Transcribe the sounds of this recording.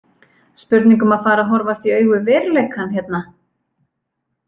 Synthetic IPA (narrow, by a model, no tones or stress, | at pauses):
spʏɾt̪niŋkʏmaðfaːɾaɦɔɾvast̪iœːɥɣʏvɛːɾlejkʰhanhjɛt̪na